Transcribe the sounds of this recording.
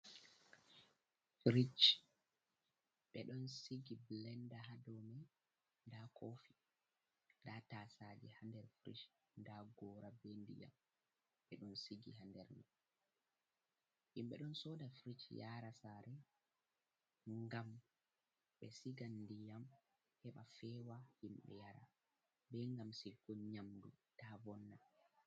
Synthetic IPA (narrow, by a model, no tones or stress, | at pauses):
fɾit͡ʃ | ɓɛɗɔnsiɡiblɛndahadɔmɛ | ndakofi | ndataːsad͡ʒɛhandɛɾfɾḭʃ | ndaɡɔːɾabendḭja̰m | ɓɛɗɔnsiɡihandɛɾnɛ | himɓɛɗɔnsɔdafɾit͡ʃjaɾasaɾɛ | ŋɡam | ɓɛsiɡandijam | hɛɓafɛːwahimɓɛ̰jaɾa | bɛŋɡamsiɡɔɲamdṵtavɔnːa